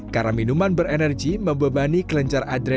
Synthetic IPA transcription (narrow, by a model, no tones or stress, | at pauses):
kaɾaminumanbəɾɛnərɡiməmbəbanikələɲt͡ʃaradɾɛ